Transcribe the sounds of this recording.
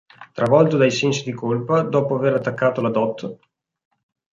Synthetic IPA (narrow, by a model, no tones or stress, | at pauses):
t̪ɾavɔlt̪od̪ajsɛnsid̪ikolpad̪ɔːpoaveɾat̪ːakːaːt̪olad̪ɔt̪ː